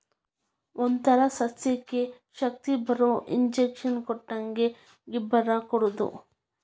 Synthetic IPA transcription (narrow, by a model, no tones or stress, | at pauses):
ond̪t̪ɐɾɐsɐsjɐkːe | ʃɐk̚t̪ibɐɾoʔiɲd͡ʒekʂɐnkɔʈːɐŋɡe | ɡibːɐɾɐkɔɽud̪ṵ